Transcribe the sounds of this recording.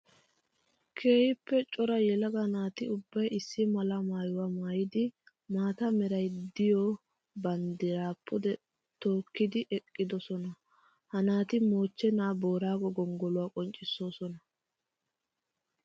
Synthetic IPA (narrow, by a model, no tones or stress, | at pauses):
kʰe̞ːhɪpːɛt͡ʃʼɔɾɐjɛlɐɡɐnaːt̪ɪʊbːɐjɪsːɪmɐlɐmaːjʊwamaːjɪd̪ɪ | maːt̪ɐmɛɾɐjd̪ɪjɔ | bɐnd̪ɪɾaːpʰːɔd̪ɛ | t̪oːkːɪd̪ɪʔɛkʼːɪd̪ɔsɔnɐ | hɐnaːt̪ɪmo̞ːt͡ʃːɛnaːbo̞ːɾaːɡɔɡɔŋɡɔlʊwakʼɔnt͡ʃʼːɪsːo̞ːsɔnɐ